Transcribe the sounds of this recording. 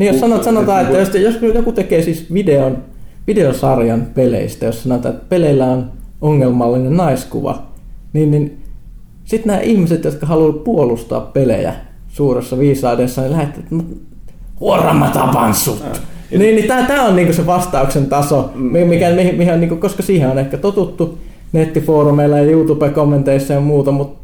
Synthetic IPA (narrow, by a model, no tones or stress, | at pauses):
niːjosɑnoʋɑt̪sɑnot̪ɑːet̪ːæjosjosjokut̪ekeːsisʋideon | ʋideosɑrjɑnpelḛist̪æjossɑnot̪ɑ̰ːet̪ːæpeleilːæonoŋːelmɑlːinennɑiskṵʋɑ̰niːnnin | sit̪næːʔihmiset̪jot̪kɑhɑluʋt̪puolust̪ɑ̰ɑppelḛjæ̰ | suːresːɑʋiːsɑːdesːɑnilæhet̪ːiʋæt̪mut̪ | huorɑ̰mːɑt̪ɑ̰pɑ̰nsṵt̪niːnnit̪æːt̪æːonniːŋkoseʋɑst̪ɑuksent̪ɑsomimikæmihimiheoniŋkokoskɑsiːheonehkːæt̪ot̪ut̪ːu | net̪ːifoːrumeilːɑjɑjuːt̪upekomːent̪eisːɑjɑmuːt̪ɑmut̪